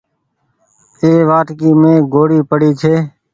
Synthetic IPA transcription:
eːʋaːʈkiːmẽːɡoːɽiːpəɽiːt͡ʃʰeː

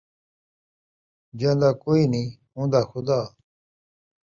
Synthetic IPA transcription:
d͡ʑãnd̪aːkoːinĩː | ɦũːnd̪aːxʊd̪aː

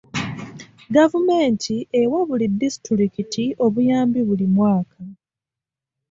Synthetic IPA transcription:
ɡavume̞ːntʰiʔewaβulidisi̥tɾikitio̞βujaːmbiβulimwaːkʰa

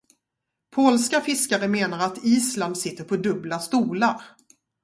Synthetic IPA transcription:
pʰoːlskafɪskaɾəmeːnaɾat̪iːsland̪sɪt̪ːəɾpʰɔd̪ɵblast̪uːlaɾ

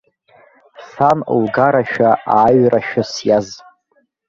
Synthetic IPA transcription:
sanlɡaɾaʃᶣaaːɥraʃᶣʊsjaz

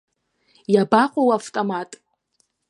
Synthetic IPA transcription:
jabaqʷʼowaftʼomatʼ

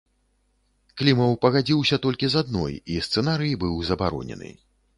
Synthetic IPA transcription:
klʲimɐwpɐɣad͡zʲiwsʲɐt̪ɔlʲkʲizad̪̚nɔ̰jist̪sɛnaɾɨjibɨwzɐbaɾɔ̰nʲɛ̰nɨ̰

